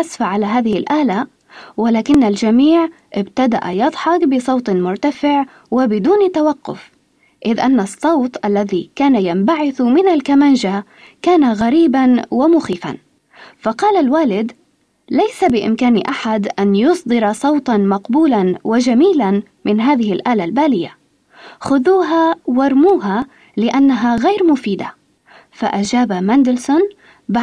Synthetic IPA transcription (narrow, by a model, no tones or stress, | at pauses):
asfaʕalaɦaːðɪhɪlʔaːla | wɪlaːkɪnːald͡ʒamiːʕ | ʔɪbt̪ad̪a̰ʔa̰jɑd̪ˤħɑkbɪsˤɑwt̪ˤmʊɾt̪afɪʕ | wɪbɪd̪uːnt̪ːawaqːʊ̰f | ʔɪðʔanːasˤːɑwt̪ˤʔalːaðikaːnajambaʕɪθmɪnalkamanʒa | kaːnaɣaɾiːbanwɪmʊxiːfa̰n | fɑqɑːlalwaːlɪd̪ | lajsabɪʔɪ̰mkaːnɪʔaħad̪ʔanjʊsˤd̪ˤɨɾɑsˤɑwt̪ˤɑnmɑqbuːlanwɪd͡ʒamiːlan | mɪnɦaːðɪhɪlʔaːlalbaːlɪjːa | xʊðuːɦawɑɾˤmuːɦa | lɪʔanːaɦaɣajɾmʊfiːd̪a | fa̰ʔad͡ʒaːbamand̪ɪlsʊn | b